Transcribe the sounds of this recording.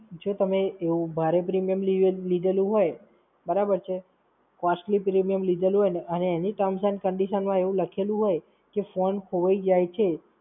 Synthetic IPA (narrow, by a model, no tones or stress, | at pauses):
d͡ʒot̪əmeːʋũbʱaɾepɾimijəmlilid̪ʱelũɦoj | bəɾabəɾt͡ʃʰe | kɔsʈlipɾimijəmlid̪ʱelũɦojneəneːniʈəmsənkəɳɖiʃənmãeʋũləkʰelũɦoj | kefonkoʋəid͡ʒajt͡ʃʰe